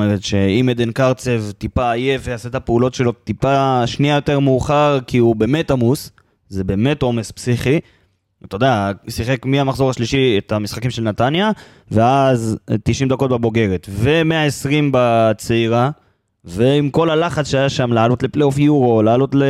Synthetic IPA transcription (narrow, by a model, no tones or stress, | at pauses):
omeʁet̪ʃe̞imed̪enkaʁt͡sevt̪ipaːjeveaset̪apeulo̞tʃe̞lo̞t̪ipaʃniajo̞te̞ʁmuːχaʁkiube̞ːme̞tamus | ze̞be̞ːme̞to̞me̞spsiχi | t̪o̞d̪asiχe̞kmiamaχzo̞ʁaʃliʃiet̪amisχakimʃelnat̪anja | veazt̪iʃimd̪ako̞t̪̚bebo̞ɡe̞ʁe̞t̪ve̞me̞aesʁimbat͡seiʁa | ve̞imko̞lalaχat͡sʃeajaʃamlaːlo̞t̪le̞plejofjuʁo̞laːlo̞t̪le